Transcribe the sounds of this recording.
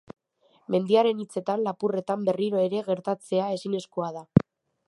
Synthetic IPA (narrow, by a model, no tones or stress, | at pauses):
me̞nd̪iaɾe̞nit͡se̞t̪anlapure̞t̪ambe̞riɾo̞e̞ɾe̞ɣe̞ɾt̪at͡se̞ae̞sine̞skoað̞a